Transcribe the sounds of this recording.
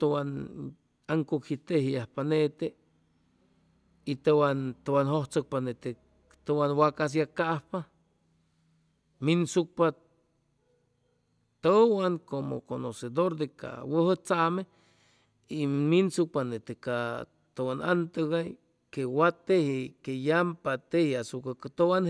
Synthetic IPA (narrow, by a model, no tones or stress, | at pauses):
t̪owan | aŋkokhit̪ehiahpanet̪e | it̪owant̪owanhoht͡sok̚panet̪e | t̪owanwakas̬jakahpa | minsuk̚pa | t̪owaŋkomo̰konosed̪oɾd̪eka̰wəhət͡same | iminsuk̚panet̪eka | t̪owana̰nt̪əɣa | kewat̪ehikejampat̪ehiasukakat̪owan